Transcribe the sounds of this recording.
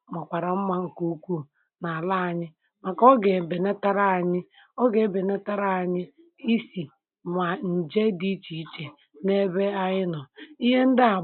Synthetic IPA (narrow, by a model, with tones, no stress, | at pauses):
ma˨kʷa˨ɾa˨m̩˦ma˦ŋ̩˨ku˦kʷu˦˨ | na˨a˨la˦a˨ɲɪ˦ | ma˨kɔ˦ɡe˨be˨ne˦ta˦ɾa˦a˨ɲɪ˦ | ɔ˦ɡe˨be˨ne˦ta˦ɾa˦˨a˨ɲɪ˦ | i˦si˨ | ma˨n̩˨d͡ʒe˦di˦t͡ʃi˨i˦t͡ʃe˨ | ne˦be˦a˦ɪ˦nɔ˨i˦ɦe˦n̩˦dɪ˦a˨